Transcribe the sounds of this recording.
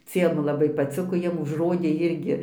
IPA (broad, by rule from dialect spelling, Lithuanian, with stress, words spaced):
ˈt͡sʲiɛm lˠɐˈbɐɪ pɐˈt͡sʲɪkoː ˈjiɛm ʊʒˈroːdʲeː ˈɪrʲɡʲɪ